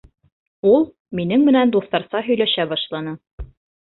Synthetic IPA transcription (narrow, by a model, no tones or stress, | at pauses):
ulˠ | minɘŋmɘ̆nænd̪uθt̪ɑɾsɑɦɵ̆jlæʃæbɑʃlˠɑnɤ